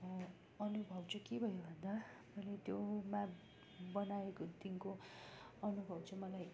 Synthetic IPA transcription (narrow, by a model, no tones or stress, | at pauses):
ʌnubʱʌwt͡sʰʌkebʱʌjobʱʌnd̪a | mʌjlet̪joma | bʌnaekot̪inko | ʌnubʱʌwt͡sʰʌmʌlaj